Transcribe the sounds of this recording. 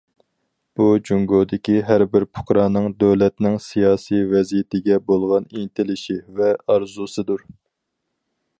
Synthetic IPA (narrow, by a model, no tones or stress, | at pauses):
b̥ud͡ʒuŋɡod̪ɪkʲiɦæɾbɪɾpʰʊ̥χɾɑːnɨŋd̪øwlɛt̪nɪŋsijɑːsijvɛzijɪt̪ɪɡʲɛbolˠʁɑniŋt̪ʰɪlɪʃivɛɑɾzusɨd̪uɾ